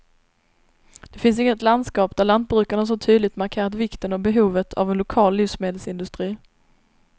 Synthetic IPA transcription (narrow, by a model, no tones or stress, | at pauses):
d̪̥ɛfɪns̬ɪŋːət̪land̪skɑːpd̪æɭand̪̚bɾʉ̟ːkaɳas̬ɔʈʰyːd̪lɪt̪maɾkʰeːɾat̪vɪkt̪ənɔbɛɦuːvət̪ʰa̰vɛnlʊkʰɑːlːiːfsmeːd̪əlsɪnd̪ɵst̪ɾiː